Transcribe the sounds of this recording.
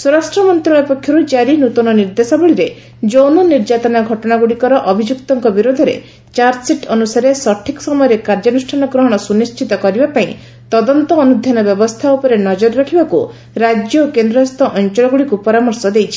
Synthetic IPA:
suɾasʈɾɔmɔnt̪ɾɔɭɔpɔkʰjɔɾud͡ʒaɾinut̪ɔnɔniɾd̪esɔbɔɭiɾe | d͡ʒownɔniɾd͡ʒat̪ɔnaɡʱɔʈɔɽaɡuɽikɔɾɔʔɔbʱid͡ʒukt̪ɔŋkɔbiɾod̪ʱɔɾḛ | t͡ʃaɾsiʈɔnusaɾesɔʈʰːikɔ̥sɔmɔjɔɾekaɾd͡ʒɔnusʈʰanɔɡɾɔɦɔɽ̃ɔsunist͡ʃʰit̪ɔkɔɾibapaĩ | t̪ɔd̪ɔnt̪ɔːnud̪ʱjanɔbjɔbɔst̪ʰaupɔɾenɔd͡ʒɔɾɔɾakʰibaku | ɾad͡ʒjɔkend̪ɾɔst̪ɔʔɔnt͡ʃɔɭɔɡuɽikupɔɾamɔɾsɔd̪ejt͡ʃʰi̥

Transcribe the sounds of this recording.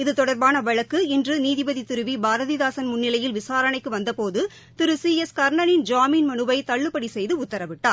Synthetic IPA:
ɪðɯt̪ɔɽɐɾbaːnɐʋɐɻɐkːɯɪndrɯniːðɪbɐðit̪ɪɾɯʋibaːɾɐðiðaːsɐnmʊnːɪlɐjɪlʋɪsaːɾɐɳɐɪkːɯʋɐnd̪ɐpoːðɯ | t̪ɪɾɯsiɛskɐɾɳɐnɪnd͡ʒaːminmɐnɯbɐɪt̪ɐɭːɯpːɐɽisɛjðɯʊt̪ːɐɾɐʋɪʈːaːɾ

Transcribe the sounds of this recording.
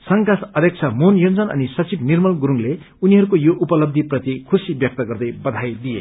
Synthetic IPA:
sʌŋkat̪ʰʌd̪ʱjʌk̚t͡sʰʌmonjond͡zʌnʌ̰nisʌt͡sibnirmʌlɡuɾuŋle | uniɦʌɾukojoʔupʌlʌbd̪ʱiprʌt̪ikʰusibjʌk̚t̪ʌɡʌrd̪ʌjbʌd̪ʱajd̪ijḛ

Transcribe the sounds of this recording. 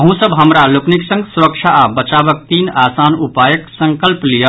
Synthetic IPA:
əɦũsəbɦəmɾalokniksə̃ŋɡsuɾəkt͡ʃʰaʔabət͡ʃabək̚t̪inaːsanupajəksə̃ŋkəlplijə

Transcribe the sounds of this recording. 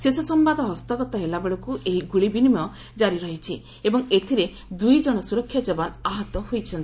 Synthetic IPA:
sesɔsɔmbad̪ɔɦɔst̪ɔɡɔt̪ɔɦelabeɭɔkuʔeɦiɡuɭibinimjɔ | d͡ʒaɾiɾɔɦit͡ʃʰi | ebɔŋet̪ʰiɾe | d̪ujd͡ʒɔɽ̃ɔsuɾɔkʰːjɔd͡ʒɔbɔnaɦɔt̪ɔɦojt͡ʃʰɔnt̪i

